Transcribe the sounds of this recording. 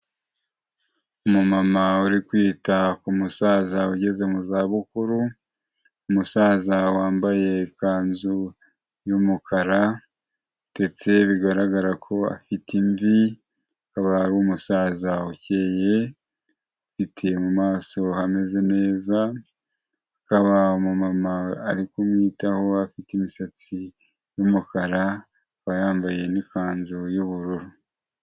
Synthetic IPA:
umumamauɾikwiːtakumusaːzauɟe̞ze̞muzaːβukuɾu | umusaːzawaːmbaje̞kaːnzu | jumukʰaɾa | d̥e̞t͡se̞βiɡaɾaɡaɾakʰo̞a̰fitiɱvi | akaβaɾumusaːzauce̞ːje̞ | afitʰe̞mumaːso̞hame̞ze̞ne̞ːzaː | kaβaomumamaːɾikumŋiːtaho̞afitimisat͡si | jumukaɾa | kajaːmbaje̞nikaːnzojuβuɾuɾu

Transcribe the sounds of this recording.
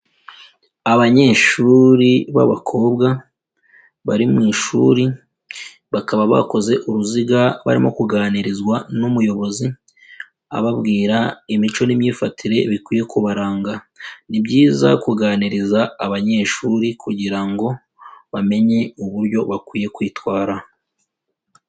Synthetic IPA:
aβaɲe̞ːʃuːɾiβa̰βakʰo̞ːb̚ɡa | βaɾimŋiːʃṵɾi | βakaβaβa̰ko̞ze̞ʔuɾuziɡaβa̰ɾḭmo̞̰kuɡaːniɾizwanumujo̞βo̞zi | a̰βabɡiːɾaimit͡ʃo̞nimɲiːfatʰiɾe̞βikwiːje̞kuβaɾaːŋɡa | nibɟiːza̰kuɡaːniɾizaːβaɲe̞ːʃuːɾikʰuɟiɾaŋɡo̞ | βame̞ɲe̞uβuɾɟo̞βakwiːje̞kwiːtwaːɾa

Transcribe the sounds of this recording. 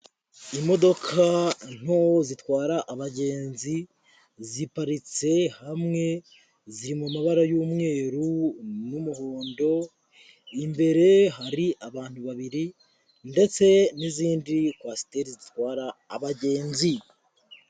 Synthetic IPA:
imo̞do̞kʰan̥hozitwaːɾaʔːβaɟe̞ːnzi | zipaɾit͡se̞hamŋe̞ | ziɾimumaβaɾajuːmŋe̞ːɾunumuhoːndo̞ | imbe̞ɾe̞ɦaɾiʔaβaːn̥huβaβiɾi | nde̞t͡se̞niziːndikwasi̥teɾizitwaːɾaːβaɟeːnzi

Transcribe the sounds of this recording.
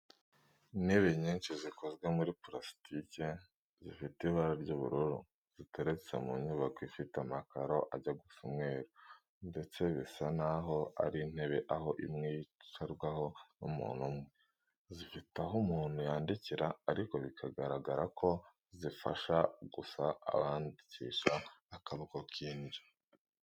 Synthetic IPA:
in̥he̞βe̞ɲiːnt͡ʃizikozɡwemuɾipɾasi̥tʰice | zifitiβaɾaɾɟuβṵɾuɾṵ | z̥ite̞ɾet͡semuɲuβakoifitamakaɾo̞ʔaɟaɡufumŋe̞ːɾo | nde̞t͡se̞βisanaɦo̞a̰ɾin̥he̞βe̞ʔaɦo̞ʔimŋiejt͡ʃaɾɡwaho̞numṵːn̥umŋe | zifitaɦumuːn̥hujaːndiciɾaːɾiko̞βikʰaɡaɾaɡaɾakʰo̞ | zifa̰ʃaɡusa̰ːβaːndicḭʃaːkaβokokʰiːnɟi̥

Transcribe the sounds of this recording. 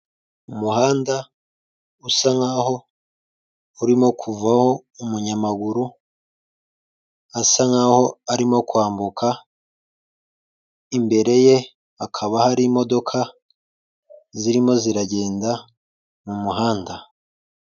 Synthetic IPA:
umuhaːnda | usaŋaho̞ | uɾimo̞kʰuvaho̞umuɲamaɡuɾu | asaŋaho̞aɾimo̞kwaːmbukʰa | imbe̞ɾe̞je̞ | akʰaβahaɾimo̞do̞kʰa | ziɾimo̞ziɾaɟe̞ːnda | mumuɦaːnda

